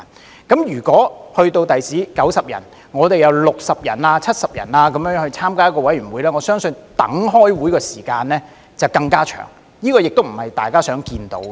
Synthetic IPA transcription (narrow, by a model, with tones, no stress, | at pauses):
kɐ˨˥mjyː˨˩kʷɔː˨˥hɵ˧ɥt̪o˧wt̪ɐ˨jsiː˨˥kɐ˨˥wsɐ˨p̚jɐ̰˨˩n | ŋɔː˨˧t̪e˨jɐ˨˧wlʊ˨k̚sɐ˨p̚jɐ̰˨˩nlaː˧t͡sʰɐ˥t̚sɐ˨p̚jɐ̰˨˩nlaː˧kɐ˨˥mjœː˧˥ŋŋhɵ˧ɥt͡sʰaː˥mkaː˥jkɔ˧wɐ˨˥jɥyː˨˩nwuː˨˧jlɛː˥ŋɔ˨˧sœː˥ŋsɵ˧nt̪ɐ̰˨˥ŋɦɔː˥jwuː˨˥jkɔː˧siː˨˩kaː˧nlɛː˥ | t͡sɐ˨wkɐ˧ŋkaː˥t͡ʃʰœ̰ː˨˩ŋ | jiː˥kɔː˧jɪ˨k̚t̪o˥wm̩˨˩hɐ˨jt̪aː˨˩jkaː˥sœː˨˥ŋkiː˧nt̪o˨˥w